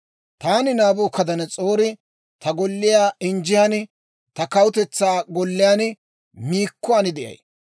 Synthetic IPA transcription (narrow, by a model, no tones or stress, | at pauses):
t̪aːnɪnaːboːkɐd̪ɐnɛt͡sʼoːɾɪ | t̪ɐɡɔlːɪjaːɪnd͡ʒɪjan | t̪ɐkɐwʊt̪ɛt͡sːaːɡɔlːɪjaːnɪ | miːkːʊaːnɪd̪ɛʔɐ̰j